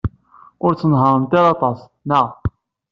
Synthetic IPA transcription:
ʊɾt͡sːənɦəɾˤənt̪iɾɑt̪ˤɑs | næʁ

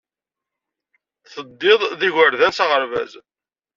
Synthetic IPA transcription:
θəd̪ːɪðˤðiʝəɾðænsɑʁəɾvæ̰z

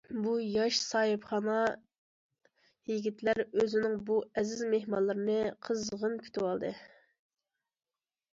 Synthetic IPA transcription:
bujɑʃsɑɦɨpχɑnɑ | jiɡʲit̪ʰlæɾøzɪnɪŋbuɛzɪzmehmɑlˠːɨɾɨnɨqʰəzʁənkʲʰy̥t̪ʰɪwɑlˠd̪ɨ

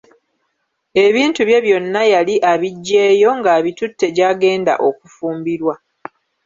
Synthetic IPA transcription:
e̞βiːntuβje̞βjo̞nːajaliʔaβiɟːe̞ːjo̞ŋɡaβitutːe̞ɟaːɡe̞ːnda̰ʔo̞kufuːmbiɾwa

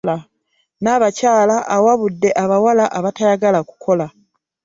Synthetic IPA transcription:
la | naːβacaːlaʔawaβudːe̞ʔaβawalaʔaβatajaɡalaku̥kʰo̞la

